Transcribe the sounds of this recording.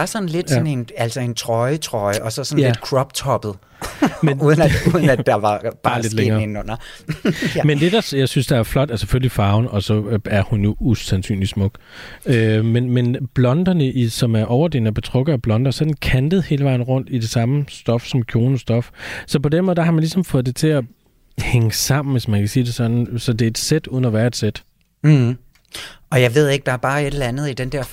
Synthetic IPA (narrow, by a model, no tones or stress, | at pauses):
ɑ̈sɒ̽n̩le̝d̥ɔnenælsɒe̝nt͡sʰʁɒɪət͡sʰʁɒɪəʔɒ̽sɒsɒ̽nled̥kʰʁɒb̥t͡sʰɒb̥ð̩ˠ | menuðˠnuːðˠn̩æ̥ɑ̈ʋɑ̈b̥ɑ̈ːle̝dleŋɐːenɔn̰ɐ | mend̥e̝d̥ɑ̈sjɑ̈ɪsynsd̥ɑ̈æɐflɒ̽d̥æseføllifɑ̈ʊnɒ̽sɒ̽æɐhunjo̝usænsy̰ːnli̥smɔ̽ɡ̥ | ømenmenb̥lɒ̽nd̥ɐnəʔisɒ̽mæɐʔɒʊɐd̥e̝̰ːnæb̥e̝t͡sʰʁɔ̽ɡ̥ðˠɒb̥lɒ̽nd̥ɐsɒ̽d̥n̩kʰænd̥əð̞̩ˠhe̝ːləʋɑ̈ɪ̰n̩ʁɔ̽n̰d̥id̥e̝sɑ̈məsd̥ɒ̽fsɒ̽mkʰjo̝ːnəsd̥ɒ̽fsɒ̽pʰɒ̽denmɔð̩ˠd̥æhɑmænlisɒ̽mfɔ̽ːðˠd̥e̝t͡sʰe̝æ | heŋəsɑ̈m̰n̩ʋe̝smænkʰæsiːd̥e̝sɒ̽d̥n̩sɒ̽d̥e̝ed̥sed̥uːðˠn̩ɐʋæːɐed̥sed̥̩ | ɒ̽jɑ̈ɪʋe̝ð̞̰ˠe̝ɡ̥̚d̥ɑ̈æɐb̥ɑ̈ːe̝d̥lænð̞̩ˠid̥end̥ɛɐ̰